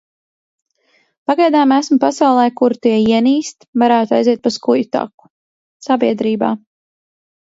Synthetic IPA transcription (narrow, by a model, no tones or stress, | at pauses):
paɡajd̪aːmæsmupasawlˠɛjkuɾt̪iɛiɛniːst̪vaɾaːt̪ajziɛt̪̚paskujt̪a̰ku̥ | sabiɛd̪ɾiːba̰ː